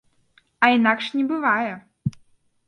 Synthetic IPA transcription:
ainakʂɲʲibɨvajɛ

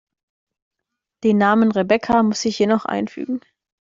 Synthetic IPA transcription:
d̥eːnːaːmənʁebɛkʰamʊsz̥ɪçjenɔχʔa̰ɪnfy̰ːɡŋ̩

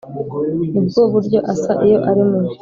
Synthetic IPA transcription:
nub̚ɡoːβuɾɟo̞ʔasaʔijo̞ʔaɾimu

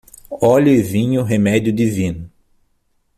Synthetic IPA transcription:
ɔʎʊɪvĩɲʊɦemɛdjʊd̪ivĩnʊ

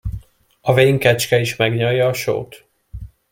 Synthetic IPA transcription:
ɒveːŋkɛt͡ʃkɛiʃmɛɡɲɒjːɒːʃo̰ːt̪

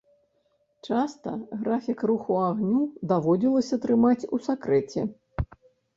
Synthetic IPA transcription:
t͡ʂast̪ɐ̰ɣɾafʲikruxuaɣnʲud̪avɔd͡zʲilˠɐsʲɐt̪ɾɨmat͡sʲusakɾɛt͡sʲɛ

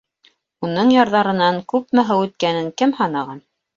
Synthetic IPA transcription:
unɤɴjɑɾðɑɾɤ̆nɑŋkʉp̚mæɦɘwʉt̪̚kænɘŋkɘmhɑnɑʁɑn

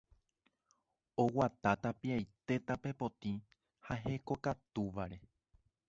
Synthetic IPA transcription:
o̞wat̪at̪apiajt̪e̞t̪ape̞po̞t̪ĩ | haɦe̞ko̞kat̪uʋaɾe̞

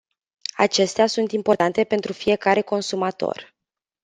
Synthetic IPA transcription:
a̰t͡ʃe̞st̪easunt̪impo̞rt̪ant̪e̞pe̞nt̪ɾufije̞kaɾe̞ko̞nsumat̪o̞̰r

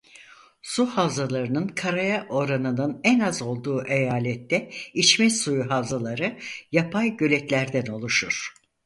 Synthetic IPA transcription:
suhavzalˠaɾɯnɯnkʰaɾajaʔo̞ɾanɯnɯnɛnazo̞lˠd̪uːʔejaːlʲɛt̪ːɛit͡ʃmɛsujuɦavzalˠaɾɯjapʰajɟø̞lʲɛt̪lʲæɾd̪æno̞lˠuʃuɾ̥

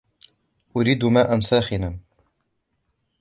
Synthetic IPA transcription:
ʔʊɾiːd̪umaːʔansaːxɪna

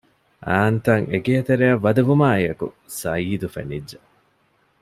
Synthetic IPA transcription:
ʔaːnt̪ɐŋeɡeɐt̪eɾeɐʋːɐd̪ɐʋumaːejɐkṵ | sɐiːd̪ufḛnidːɐ

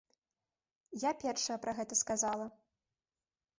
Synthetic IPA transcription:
japʲɛrʂɐjɐpɾɐɣɛt̪ɐskazalˠɐ

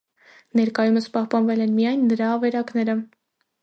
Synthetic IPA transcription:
nɛɾkɑjuməspɑhpɑnvɛlɛnmijɑjnːəɾɑːvɛɾɑkn̪ɛɾə

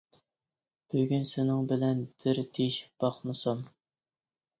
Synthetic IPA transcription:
b̥øɡʲynsɪnɪŋbɪlɛnbɪɾt̪ʰeʃb̥ɑχmɨsɑm

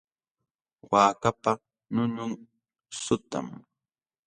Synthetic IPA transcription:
waːkapa | nʊɲʊŋ | sʊt̪a̰m

